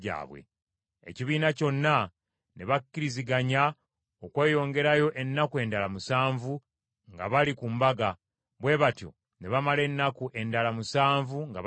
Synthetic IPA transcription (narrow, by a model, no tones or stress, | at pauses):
a̰ːβwḛ | ḛciβiːnaco̞nːa | ne̞βakːiɾiziɡaɲa | okwe̞ːjo̞ːŋɡe̞ɾajo̞ʔe̞nːakue̞ndalamusaːɱvu | ŋɡa̰βalikumbaɡa | βwe̞ːβatjo̞̰ | ne̞βamale̞nːakuʔe̞ndalamusaːɱvuŋɡa̰β